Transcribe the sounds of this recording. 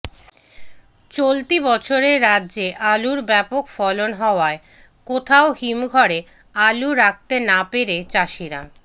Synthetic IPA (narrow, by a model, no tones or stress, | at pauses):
t͡ɕolt̪ibɔt͡ɕʰoɾeɾːaːʑeʔaluɾbɛpokfɔlonɦɔoae | kot̪ʰaohimɡʱɔɾe | aluɾak̚t̪enapeɾet͡ɕaʃiɾa̰